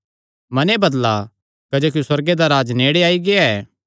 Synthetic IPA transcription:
mɐnebɐd̪la̰ | kɐd͡ʒoːk̬iuswɐɾɡed̪aɾaːd͡ʒneːɽeaːiɡeaɛː

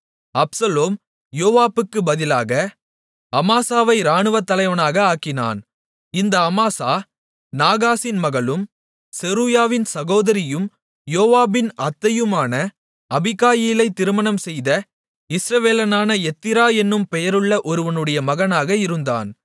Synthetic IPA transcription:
ɐpsɐloːm | joːʋaːpːɯkːɯbɐðɪlaːɣɐ | ɐmaːsaːʋɐɪɾaːɳɯʋɐt̪ːɐlɐɪʋɐnaːɣɐaːkːɪna̰ːn | ɪnd̪ɐɐmaːsaː | naːɣaːsɪnmɐɣɐlɯm | sɛɾuːjaːʋɪnsɐɣoːðɐɾɪjɯm | joːʋaːbɪnɐt̪ːɐjɯmaːnɐ | ɐbɪkaːjiːlɐɪt̪ːɪɾɯmɐnɐmsɛjðɐ | ɪsɾɐʋeːlɐnaːnɐɛt̪ːɪɾaːɛnːɯmpɛjɐɾɯɭːɐʔɔɾɯʋɐnɯɽɐjɐmɐɣɐnaːɣɐɪɾɯnd̪a̰ːn

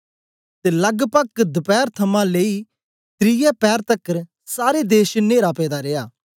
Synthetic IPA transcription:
t̪eːlɐɡpəkd̪əpɛːɾt̪ʰɐmãleːi | t̪ɾɪjɛpɛːɾt̪ɐkːəɾ | saːɾed̪eːʃneːɾapɛːd̪aɾeːaː

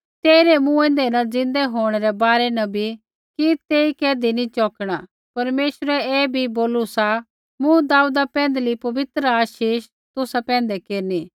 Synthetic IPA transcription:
t̪eːɾɛmũɛ̃ːn̆d̪ɛnɐ̃d͡zɪ̃nd̪ɛɦoːɽ̃ɛɾɛbaːɾɛnɐbʱi | kit̪eːikɛːd̪init͡ʃɔːkɽ̃aː | pɐɾmeːʃɾɛɛːbʱiboːlusa | mũd̪aːuːd̪apɛ̃ːn̆d̪lipɐʋɪt̪ɾəaːʃiːʃ | t̪ʊsapɛ̃ːnd̪ɛkeːɾniː

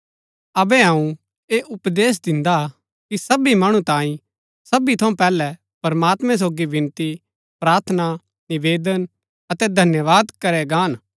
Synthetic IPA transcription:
ɐbɛɦãũ | eːʔʊpd̪eːs̬d̪ɪ̃nd̪a | kisɐbimɐɽ̃ũt̪ãːĩ | sɐbit̪ʰɐũpɛːlɛ | pɐɾmaːt̪mɛ̃s̬oːɡiʋɪ̃nt̪i | pɾaːɾt̪ʰəna | nɪʋeːd̪ən | ɐt̪ɛd̪ʱɐnjəʋaːd̪kɐɾɛɡaːn

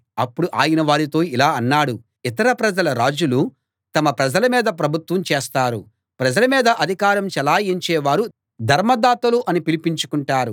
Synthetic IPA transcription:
ɐpːuɽuʔaːjɐnɐʋaːɾit̪o̞ːilaːɐnːaːɽu | it̪ɐɾɐpɾɐd͡ʒɐlɐɾaːd͡ʒulu | t̪ɐmɐpɾɐd͡ʒɐlɐmiːd̪ɐpɾɐbʱut̪wʋɐmt͡ʃeːst̪aːɾu | pɾɐd͡ʒɐlɐmiːd̪ɐʔɐd̪ʱikaːɾɐmt͡ʃɛlaːjeɲt͡ʃɛːʋaːɾu | d̪ʱɐɾmɐd̪aːt̪ɐluʔɐnipilipiɲt͡ʃu̥kuɳʈaːɾu

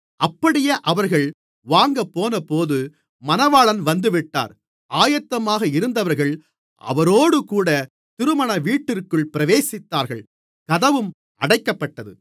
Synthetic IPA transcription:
ʔɐpːɐɽɪjɐʔɐʋɐɾɣɐɭ | ʋaːŋɡɐpːoːnɐpoːðɯ | mɐnɐʋaːɭɐnʋɐnd̪ɯʋɪʈːa̰ːɾ | ʔaːjɐt̪ːɐmaːɣɐɪɾɯnd̪ɐʋɐɾɣɐɭ | ʔɐ̰ʋɐɾoːɽɯkuːɽɐ | t̪ɪɾɯmɐɳɐʋiːʈːɪrkɯɭpɪɾɐʋeːsɪt̪ːaːɾɣɐɭ | kɐðɐʋɯm | ʔɐɽɐɪkːɐpːɐʈːɐðɯ

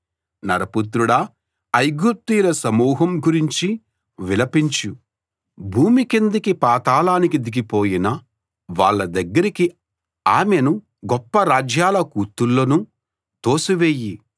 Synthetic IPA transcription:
nɐɾɐput̪ɾuɽɐː | jɡut̪iːlɐsɐmuːɦɐmɡuɾiɲt͡ʃi | ʋilɐpiɲt͡ʃu | bʱuːmikind̪ikipaːt̪aːlaːnikid̪iɡipo̞ːjinɐ | ʋaːɭːɐd̪ɐɡːɐɾiki | aːmenu | ɡɔpːɐɾaːd͡ʒjaːlɐkuːt̪ːulːoːnu | t̪o̞ːsuʋeːji

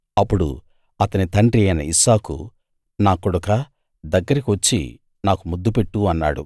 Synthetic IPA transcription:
ɐpːuɽṵ | ɐt̪ɐnit̪ɐɳɖɾiɐjnɐisaːkṵ | naːkɔɽukɐ | d̪ɐɡːɐɾikiʋɐt͡ʃːḭ | naːkumud̪ːupeʈːuɐnːa̰ːɽṵ

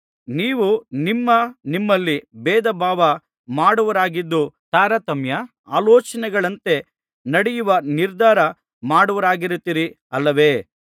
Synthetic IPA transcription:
niːʋunimːɐnimːɐlːibɛːd̪ɐbʱaːʋɐ | maːɽuʋɐɾaːɡid̪ːut̪aːɾɐt̪ɐmjɐ | a̰ːlɔːt͡ʃɐnɛɡɐɭɐnt̪e̞ | nɐɽɛjuʋɐniɾd̪ʱaːɾɐ | maːɽuʋɐɾaːɡiɾut̪iːɾi | ɐlːɐʋe̞ː

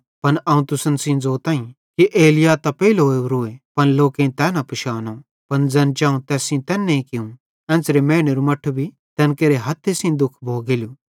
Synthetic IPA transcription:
pɐnɐũt̪ʊsənsĩd͡zoːt̪ãːĩ | kiʔeːlɪjat̪ɐpeilɦoːeuɾʊepɐnloːkẽt̪ɛːnapʊʃaːno | pɐnd͡zɛːnt͡ʃaːũt̪ɛːsĩt̪ɛːnːeĩkɪũ | ɛ̃ːsɾemeːɽ̃eɾumɐʈʰːbʱi | t̪ɛ̃ːnkeːɾeɦɐt̪ʰːesĩd̪ʊkʰbʱoːɡelju

